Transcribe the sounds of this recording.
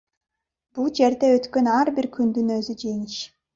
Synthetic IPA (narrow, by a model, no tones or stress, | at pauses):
b̥ulˠd͡ʒe̞ɾd̪eøt̪kø̞nɑɾbiɾkʰynd̪ynøzyd͡ʒeŋiʃ